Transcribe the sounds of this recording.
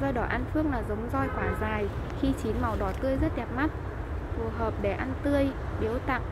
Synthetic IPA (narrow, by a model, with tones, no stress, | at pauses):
zɔ˧jɗɔ˧˩ʔa˧nfɨ˦˥ək̚laː˨˩zə˨˦wŋ͡mzɔ˧jhwaː˧˩zaː˨˩jxi˧t͡ɕi˨˦nma˨˩wɗɔ˧˩t̪ɨ˧əjzə˦˥t̚ɗɛ˨˩p̚ma˦˥t̚ | fu˨˩əɦəː˨˩p̚ɗe˧˩ʔa˧nt̪ɨ˧əjɓi˨˦əwt̪a̰ː˧˨m